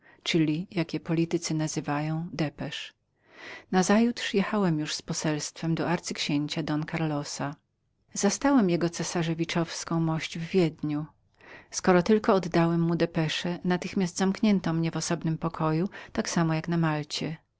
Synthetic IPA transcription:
t͡ʂɘlʲijakʲjɛpɔlʲit̪ɘt̪sɘnazɘvajɔ̃w̃d̪ɛpɛʂ | nazajut̪ʂjɛxawɛmjuʂspɔsɛlst̪fɛmd̪ɔaɾt̪sɘkɕeɲt͡ɕad̪ɔnkaɾlɔsa | zast̪awɛmjɛɡɔt̪sɛsaʐɛvʲit͡ʂɔfskɔ̃w̃mɔɕd͡ʑvːʲjɛd̪ɲu | skɔɾɔt̪ɘlkɔːd̪ːawɛmːud̪ɛpɛʂɛnat̪ɘxmʲjasdt̪zamkɲɛnt̪ɔmɲɛvɔsɔbnɘmpɔkʰɔjut̪aksamɔjaknamalt͡ɕɛ

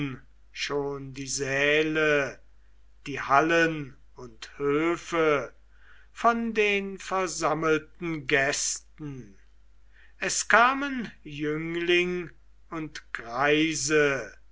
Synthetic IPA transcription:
n | ʃoːndiːzɛːlə | d̥iːhalən | ʊnthøːfə | fɔndeːnfɛɐzaməltn̩ɡɛstn̩ | ɛskʰaːmənjʏŋlɪŋ | ʊntɡ̥ʁaɪzə

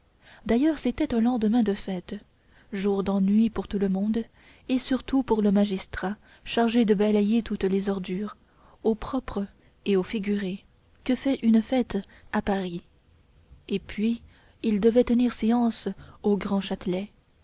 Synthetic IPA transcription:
d̪ajœʁset̪ɛt̪ɛ̃lɑ̃d̪əmɛ̃d̪əfɛt̪ | ʒuʁd̪ɑ̃nɥipuʁt̪uləmɔ̃d̪ | esyʁt̪upuʁləmaʒist̪χa | ʃaʁʒed̪əbalɛjet̪ut̪lezɔʁd̪yːʁ | opχɔpχ | eofiɡʲyʁe | kəfɛynfɛt̪ | apaʁi | epʰɥiː | ld̪əvɛt̪əniʁseɑ̃soɡʁɑ̃ʃat̪lɛ

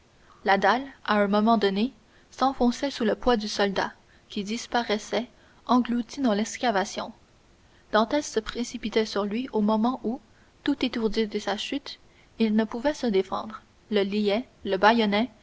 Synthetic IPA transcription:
lad̪alaɛ̃mɔmɑ̃d̪ɔne | sɑ̃fɔ̃sɛsuləpwad̪ysɔld̪a̰ | kʲid̪ispaʁɛsɛ | ɑ̃ɡlut̪id̪ɑ̃lɛkskʲavasjɔ̰̃ | d̪̥ɑ̃t̪ɛsːəpχesipit̪ɛsyʁlɥiomɔmɑ̃ʔu | t̪ut̪et̪uʁd̪id̪əsaʃyt̪ | ilnəpuvɛsəd̪efɑ̰̃d̪ʁ | ləliɛləbajɔnɛ

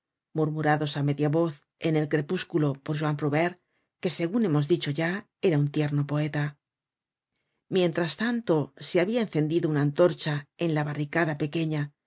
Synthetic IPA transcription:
muɾmuɾaðo̞same̞ðjaβo̞θ | e̞ne̞lkɾe̞puskulo̞po̞ɾʒwampɾoβeɾ | ke̞se̞ɣune̞mo̞zd̪it͡ʃo̞ʝa | e̞ɾaunt̪je̞ɾno̞po̞e̞t̪a | mje̞nt̪ɾast̪ant̪o̞seaβiaenθe̞nd̪iðounaːnt̪o̞ɾt͡ʃae̞nlaβarikaðape̞ke̞ɲa

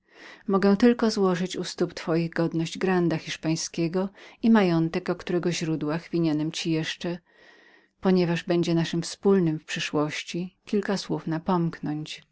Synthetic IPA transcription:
mɔɡɛ̃t̪ɘlkɔzwɔʐɘt͡ɕust̪upt̪fɔjiɣɡɔd̪nɔʑd͡ʑɡɾand̪axʲiʂpaj̃skʲɛɡɔimajɔnt̪ɛkɔkt̪uɾɛɡɔʑɾud̪waxvʲiɲanɛmt͡ɕijɛʂt͡ʂɛ | pɔɲɛvaʐbɛɲd͡ʑɛnaʂɘmfspulnɘmfpʂɘʂwɔɕt͡ɕikʲilkaswufnapɔmknɔɲt͡ɕ

